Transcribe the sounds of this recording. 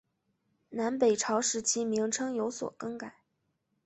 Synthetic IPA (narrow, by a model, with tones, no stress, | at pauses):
na˧˥npe˨˩ɪʈ͡ʂʰɑ˧˥ʊʂɻ̩˧˥t͡ɕʰi˥mi˧˥ŋʈ͡ʂʰɤ˥ŋjo˧˥ʊswɔ̰˨˩kɤ˥ŋka˨˩˦